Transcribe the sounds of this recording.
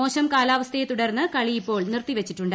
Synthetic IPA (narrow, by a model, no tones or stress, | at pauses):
o̞ːɕɐmkaːlaːʋɐst̪ʰɐjet̪uɽɐrnːɨkɐɭijipːo̞ːɭnirt̪ːiʋet͡ɕːiʈːuɳɖɨ